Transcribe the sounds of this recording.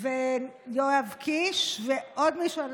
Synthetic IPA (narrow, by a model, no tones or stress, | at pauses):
vejoavkiʃveʔod̪miʃuan